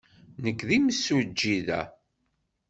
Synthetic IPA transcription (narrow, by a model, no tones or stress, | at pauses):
nəkːðiməsːud͡ʒːiðæ̰